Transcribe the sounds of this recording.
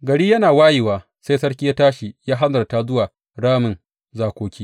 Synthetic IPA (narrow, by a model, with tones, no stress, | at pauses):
ɡɐ˨ɽiː˦jɐ˦naː˨waː˦jiː˨waː˨ | se˦jsɐ˦ɽkʲi˦jaː˦taː˦ʃi˨jaː˦ɦa˦nzɐ˨rta˦zʊ˦waː˨ | ɽaː˦mɪ˨n | zaː˨kʷoː˨kʲiː˦